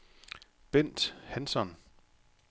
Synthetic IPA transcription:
b̥en̰d̥hænsɒn

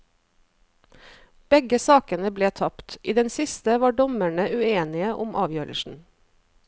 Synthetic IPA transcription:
b̥ɛɡəsɑːkənəbleːt̪ʰɑpt̪ʔiːd̪ɛnsɪst̪əʋɑːɖɔmæɳəʉeːnɪəʔʊmʔɑːʋjøːɾə̰ʃn̩

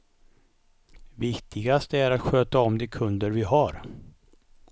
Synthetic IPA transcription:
vɪkt̪ʰɪɡast̪əæɾat̪ɧøːt̪aɔmd̪ɛkʰɵnd̪əɾvɪɦaɾ

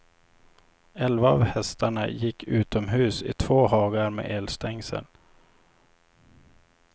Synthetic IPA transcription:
ɛlvaɑ̰vhɛst̪ʰaɳajɪkʰːʉ̟ːt̪ɔmɦʉ̟ːsɪ̰t̪ʰv̥oːɦɑːɡaɾmḛːʔeːlst̪ɛŋsə̰n

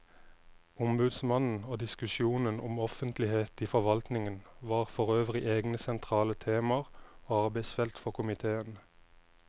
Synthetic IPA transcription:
ʊmbʉd̪smɑnn̩oːd̪ɪskʉʃuːnənʊ̰mɔfənt̪lɪheːt̪iːfɔʁʋɑlt̪nɪŋənʋɑːʁfɔʁøːʋʁɪʔeːɡnəsɛnt̪ʰʁɑːlət̪ʰeːmɑʁoːɑʁbæɪsfɛlt̪fɔʁkʰʊmɪt̪ʰeːən

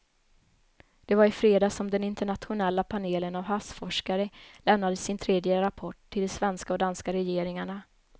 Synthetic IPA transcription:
d̪̥ɛvaɾɪfɾeːd̪aːsɔmd̪ɛnɪnt̪əɳat̪ɧʊnɛlːapʰaneːlənavɦasfɔʂkaɾəlɛmnad̪əsɪnt̪ʰɾeːd̪jəɾapʰɔʈʰːɪld̪ɛsvɛnskaɔd̪anskaɾɛjeːɾɪŋaɳa

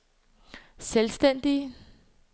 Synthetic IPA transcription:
selsd̥en̰d̥i

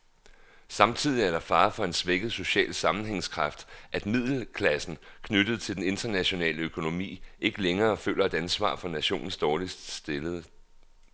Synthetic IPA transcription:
sɑ̈mt͡sʰið̞̰ˠiæɐɾɑ̈fɑ̈ːfɒ̽e̝nsʋeɡ̥əð̞̩ˠso̝ɕɛ̰ːlsɑ̈mn̩ɦeŋskʰʁɑ̈fd̥ʔæd̥mið̞̰ˠl̩kʰlæsn̩kʰnøɾ̥əð̩ˠt͡sʰe̝ld̥ene̝nd̥ɐnæɕo̝nɛ̰ːləøkʰo̝no̝mḭːʔe̝ɡ̥əleŋɐːfø̰ːlɐe̝d̥ænsʋɑ̰̈ːfɒ̽næɕo̝̰ːnn̩sd̥ɒːlissd̥e̝ləðˠ

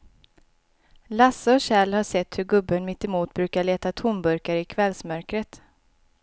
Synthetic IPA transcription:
lasːaɔɕɛlhaʂɛt̪ːhɵɾɡɵbːənmɪt̪ːɛmuːt̪̚bɾʉːkaɭeːt̪at̪ʰʊmbɵɾkaɾəɪkʰvɛlsmœɾkɾət̪

